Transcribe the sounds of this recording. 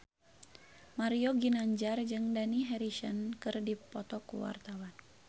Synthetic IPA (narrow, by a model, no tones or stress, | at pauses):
maɾioɡinaɲd͡ʒard͡ʒɨŋdaniɦɛɾisənkɨrdipɔt̪ɔkṵwa̰rt̪awan